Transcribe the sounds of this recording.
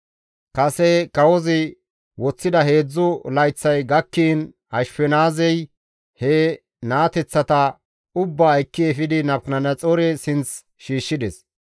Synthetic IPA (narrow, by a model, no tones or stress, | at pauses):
kɐsɛkɐwɔzɪ | wɔt͡sːɪd̪ɐhe̞ːd͡zːʊlɐjt͡sːɐjɡɐkːiːn | ɐʃpɛnaːzɛj | hɛ | naːt̪ɛt͡sːɐt̪ɐ | ʊbːɐːjkːɪɛfɪd̪ɪnɐpknɐnɐt͡sʼoɾɛsɪnt͡s | ʃiːʃːɪd̪ɛs